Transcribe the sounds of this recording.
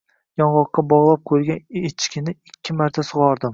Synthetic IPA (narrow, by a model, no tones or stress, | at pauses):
jɒnʁɒqːɑbɒʁlˠap̚qʰolɡʲanet͡ʃʰkʲɪnɪɪkʲʰːɪmaɾt̪ʰasʊʁɒɾd̪ɪm